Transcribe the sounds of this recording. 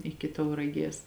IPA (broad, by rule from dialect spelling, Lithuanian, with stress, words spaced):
ˈɪkʲɪ tɐʊrɐˈɡʲeːs